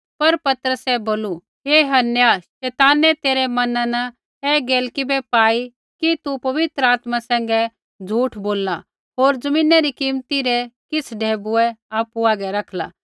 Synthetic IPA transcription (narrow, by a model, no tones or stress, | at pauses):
pɐɾpɐt̪əɾəsɛboːlu | eːɦɐnjaʃɛːt̪aːnɛt̪eːɾɛmɐnãnɐ | ɛɡeːlkɪbɛpaːi | kit̪upɐʋɪt̪ɾəaːt̪masɛ̃ːŋ̆ɡɛ | d͡zʱuːʈʰboːlːa | ɦoːɾd͡zɐmĩːnaɾikiːmt̪iɾɛkɪsʰɖʱeːbuɛaːpuaːɡɛɾɐkʰla̰ː